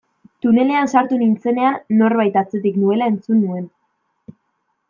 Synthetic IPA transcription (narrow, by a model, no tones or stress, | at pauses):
t̪une̞le̞ansaɾt̪unint͡se̞ne̞aːo̞rβajt̪at͡se̞t̪̬iknue̞lae̞nt͡sunːue̞n